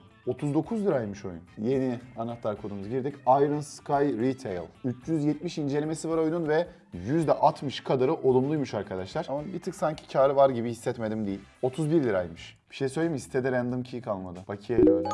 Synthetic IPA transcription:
o̞t̪ʰuzd̪o̞kʰuzlʲiɾajmɯʃo̞̰jṵnje̞nianat̪lˠaɾkʰo̞d̪umuzɟiɾd̪icajɾɯnskʰajɾit̪ʰejlˠyt͡ʃʰjyzjɛt̪miʃind͡ʒelʲime̞sivaɾo̞jununvɛ | jyzd̪ɛʔat̪ʰmɯʃkʰad̪aɾɯʔo̞lˠumlˠujmuʃaɾkʰad̪aʃlˠaɾamabit̪ʰɯksaɲcʰi̥cʰaːɾɯvaɾɟibihisːɛt̪me̞d̪imd̪ijilʲo̞t̪ʰuzbiɾlʲiɾa̰jmɯʃb̥i̥ʃejsøjlʲejimisi̥t̪ʰed̪ɛɾænd̪ɯmcʰijkanlˠad̪ɯbacʰijaɾa

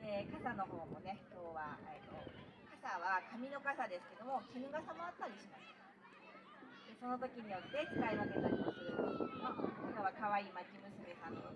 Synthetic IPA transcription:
d̪ekasano̞ɦo̞ːmo̞ne̞kʲo̞ːβaet̪o̞̰kasaβakamʲino̞kasad̪e̞sɨ̥ke̞d̪o̞mo̞sinɯɡasamoat̪ːaɾʲiɕimasɨ̥ | d̪e̞so̞no̞t̪o̞kʲiɲ̟ijo̞t̪ːe̞ki̥kaiβake̞t̪aɾʲimasɨjo̞ːɲ̟imak̪akaβakaβaiːmat͡ɕimɯ̟sɨme̞sano

